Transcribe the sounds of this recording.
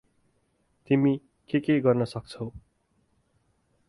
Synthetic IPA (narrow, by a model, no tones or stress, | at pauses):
t̪imi | kekeɡʌrnʌsʌk̚t͡sʰʌw